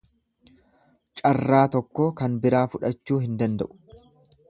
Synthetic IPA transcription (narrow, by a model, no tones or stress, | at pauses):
t͡ʃʼɐrːaːt̪ɔkːoːkɐnbɪɾaːfʊᶑɐt͡ʃːuːɦɪnd̪ɐnd̪ɐ̰ʔʊ̥